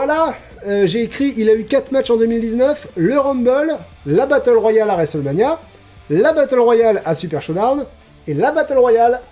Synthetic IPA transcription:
vwala | øʒeːkχiʔilaykat̪χmatt͡ʃɑ̃d̪əmild̪iznœfləʁɔ̃mbɔlː | abat̪œlʁwajalaʁɛsɔlmanja | labat̪œlʁwajalasypɛʁʃɔd̪aʁn | elabat̪œlʁwajal

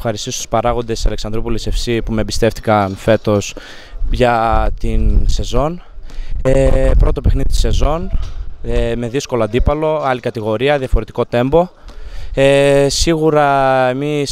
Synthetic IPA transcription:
xɐɾist̪ist̪u̥spɐɾɐɣo̞nd̪e̞sɐleksɐnd̪ɾopulese̞fsipumebist̪e̞ft̪i̥kɐnfe̞t̪o̞s | ʝɐt̪inse̞zo̞n | epɾo̞t̪ope̞xniðit̪i̥se̞zo̞neme̞ðisko̞loɐnd̪ipɐlo̞ɐlikɐt̪iɣo̞ɾiɐðjɐfo̞ɾe̞t̪i̥ko̞t̪e̞mbo̞ | esiɣuɾɐemis

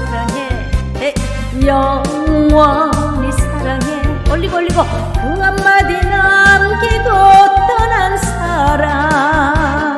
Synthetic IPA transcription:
aɾaɦe | e | jɔ | wɔnisaɾaɦeolːikolːikɔ | uŋamːad̪inamkiɡot̪ːɔnans | aɾa

